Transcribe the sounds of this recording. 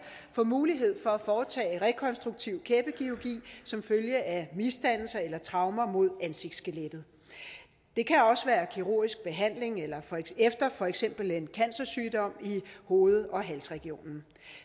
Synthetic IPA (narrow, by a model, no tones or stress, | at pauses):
fɒmuːliɦe̝ð̞̰ˠfɒ̽æfɒːt͡sʰɛ̰ːʁɛkʰɒ̽nsd̥ʁuɡ̥̚t͡sʰiʊ̰kʰeːb̥əɡ̥iuɡ̥ḭːsɒ̽mføljəʔæmisd̥æn̰l̩sɐelɐt͡sʰʁɑ̈ʊmɐmo̝ð̞ˠænse̝ɡ̥d̥sɡ̥eled̥ð̩ˠ | d̥e̝kʰæɒ̽səʋæːɐkʰiʁo̝ɐ̰isɡ̥̚b̥e̝ɦæn̰le̝ŋelɐefd̥ɐfɒ̽eɡ̥sem̰b̥l̩e̝nkʰænsɐsyːd̥ɒ̽m̰iho̝ːð̩ˠɒ̽ɦælsʁɛɡ̥io̝̰ːnn̩